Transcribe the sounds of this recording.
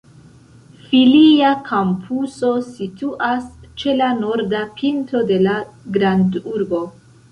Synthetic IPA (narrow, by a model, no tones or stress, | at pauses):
filiakʰampʰuso̞situʔast͡ʃe̞lano̞ɾdapʰinto̞de̞laɡɾanduɾbo̞